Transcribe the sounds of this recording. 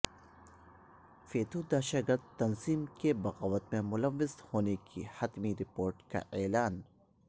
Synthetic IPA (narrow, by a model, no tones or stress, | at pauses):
feːt̪ʰud̪aːʃaɡɐɾd̪t̪ɐnziːmkebɐɣaːʋət̪̚mẽmʊlɐʋːɪzhoːnekʰḭhɐt̪miɾɪpoːɾʈka̰ʔɛːlaːn